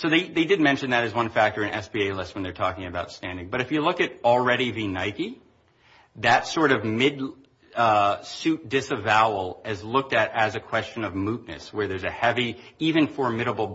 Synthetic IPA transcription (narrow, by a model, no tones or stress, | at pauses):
soʊðeɪðeɪdɨd̚mɛ̃nʃɨ̃nðɨɾɨzwʌ̃nfæk̚tə˞ɨ̃nʔɛ̰sb̥ieɪlɪst̚wə̃n̩ðə˞tʰɔkɪ̃ŋɨbaʊtstæ̃ndɪ̃ŋbʌɾɨfjɨlʊkɨɾl̩ˠɹɛɾivinaɪki | ðɨtsɔɹɾʌvmɪd | ʌsʉt̚d̥ɪsɨvaʊl̩ˠɪzlʊk̚tɨɾɨzɨkʰw̥ɛst͡ʃɨ̃nʌvmutⁿnɨ̰swə˞ðə˞zɨhɛviivɨ̃nfə˞mɪɾəbl̩ˠ